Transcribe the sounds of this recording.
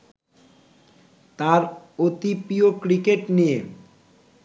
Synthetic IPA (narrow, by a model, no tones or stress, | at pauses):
t̪aɾot̪ipiokɾikeʈnijḛ